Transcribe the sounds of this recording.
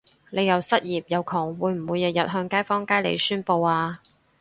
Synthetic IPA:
le˨˧jɐ˨wsɐ˥t̚jiː˨p̚jɐ˨wkʰɔː˨˩ŋwuː˨˧jm̩˨˩wuː˨˧jɐ˨˩jɐ˨t̚ɦœː˧ŋkaː˥jfɔː˥ŋkaː˥jlḛ˨˧jsyː˥npo˧waː˧

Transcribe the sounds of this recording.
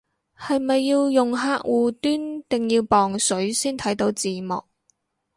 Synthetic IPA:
hɐ˨jmɐ˨jːiː˧wjʊ˨ŋɦaː˧˥k̚wuː˨t̪yː˥nt̪ɪ˨ŋjiː˧wpɔː˨ŋsɵ˨˥ɥsiː˥nt̪ʰɐ˨˥jt̪o˨˧˥wt͡siː˨˩mɔ̰ː˨˩k̚

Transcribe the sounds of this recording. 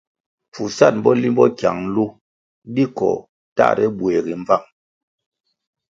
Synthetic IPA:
fu˨sa˦˨t̚m̩˦bɔ˦li˦mbɔ˦kja˨ŋ̩˦lu˦ | di˦kɔ̰˨ | ta̰˦˨ɾɛ˦bwɛ˨ɣi˨ɱ˦va˦˨ŋ

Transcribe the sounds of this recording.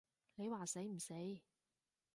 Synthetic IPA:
le˨˧jwaː˨se˨˥jm̩˨˩se˨˥j

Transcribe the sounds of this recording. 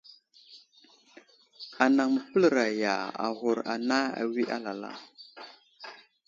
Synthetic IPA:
a˨na˨ŋmə˨pə˦lɾa˨ja˨a̰˨ɣu˨ɾa̰˨na˦a̰˨wi˦ʔa˦la˨la̰˦˨

